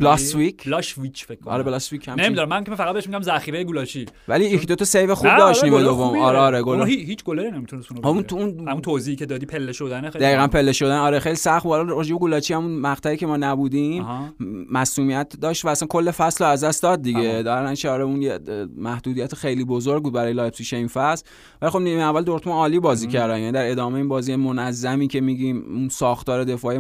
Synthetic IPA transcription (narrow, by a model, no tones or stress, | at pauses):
blɒsvikʰlʃvit͡ʃʰfekʰːoʔɒ̰ɾeblɒsvichæmnemid̪uɾæmænikʲefæʁæd̪beeʃmiɟæmzæxiːɾejeɡulɒt͡ʃʰivæliːjekʰd̪ot̪ʰɒsejvexubd̪ɒʃt̪niːmejd̪ovːomɒːɾeɒːɾeɡolːhihiːt͡ʃʰɡoleɾinemit̪ʰunesunomunt̪ʰuunæmunt̪ʰoziicʰed̪ɒːd̪iːpʰelːeʃod̪ænexed̪æiːɣænpʰe̞lːeʃod̪ænɒːɾexejlisæxt̪ulɾed͡ʒebeɡulɒːt͡ʃʰihæmunmæʁt̪ʰæiːcʲʰe̞mɒːnæbuːd̪imhmæsuːmijæt̪ʰd̪ɒːʃt̪væːsænkʰo̞lːe̞fæsloæzd̪æstd̪ɒːd̪̚ːiɡe̞d̪ɾnæt͡ʃʰeɒːɾeunjemæhd̪uːd̪ijæt̪ʰexe̞jliːbozoɾɡbud̪̚bæɾɒːjelɒːjpsiʃeinfæsl | vælixo̞bniiævːæld̪o̞ɾt̪ʰmuɒːliːbɒːziːcʰæɾd̪æmjæːnid̪æɾe̞d̪ɒːmejeinbɒːziːemonæzːæmiːcʰe̞miːɟiːmunsɒːxt̪ɒːɾe̞d̪e̞fɒːi